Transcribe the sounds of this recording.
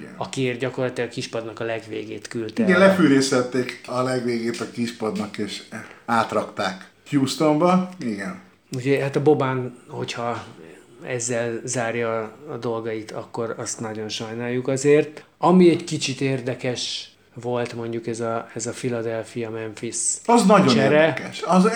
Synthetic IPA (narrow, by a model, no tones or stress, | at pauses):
ɒkieːrɟɒko̞rlɒt̪ilɒɡɒkiʃpɒd̪nɒkɒlɛɡʋeːɡeːt̪kylt̪ɛiɡɛnlɛfyːɾeːsɛt̪ːeːkɒlɛɡʋeːɡeːt̪ɒkiʃpɒd̪nɒkeːʃaːt̪rɒkt̪aːk | juːst̪ombɒiɡɛn | uɟɛɦat̪ɒbo̞baːnho̞chɒ | ɛ̰zːɛlzaːrjɒːd̪o̞lɡɒit̪ʰɒkːo̞rɒst̪nɒɟo̞nʃɒjnaːjːukɒzeːrt̪ɒmiɛɟkit͡ʃit̪eːrd̪ɛkɛʃ | ʋo̞lt̪mo̞ɲɟukɛzɒɛzɒfilɒd̪ɛlfijɒmɛɱfisɒznɒɟot͡ʃɛɾɛkɛʃɒz